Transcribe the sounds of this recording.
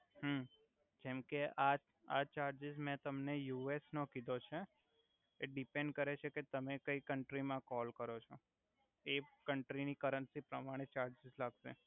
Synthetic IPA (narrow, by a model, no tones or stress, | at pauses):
ɦə | d͡ʒɛmkeʔa | a̰t͡ʃaɾd͡ʒɪzmɛ̃t̪əmnejuesnokid̪ʱot͡ʃʰe | eɖipẽɳɖkəɾet͡ʃʰeket̪əmekəikəɳʈɾimãkɔlkəɾot͡ʃʰo | ekəɳʈɾinikəɾənsipɾəmaɽ̃et͡ʃaɾd͡ʒɪzlaɡʃḛ